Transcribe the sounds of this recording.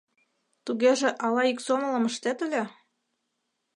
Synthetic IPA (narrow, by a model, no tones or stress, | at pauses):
t̪uɣeʒĕʔɑlɑiksomə̆lɤ̆mə̆ʃt̪et̪ə̆lʲĕ